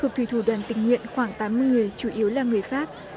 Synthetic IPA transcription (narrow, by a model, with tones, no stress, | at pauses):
t̪ʰu˨˩t̪ʰi˧˩t̪ʰu˧˩ɗwaː˨˩nt̪ï˧˩ŋ̟ŋwḭ˧˨ənxwaː˧˩ŋt̪aː˨˦mɨ˨˩əjŋɨ˨˩əjt͡ɕu˧˩ʔi˨˦əwlaː˨˩ŋɨ˨˩əjfaː˦˥p̚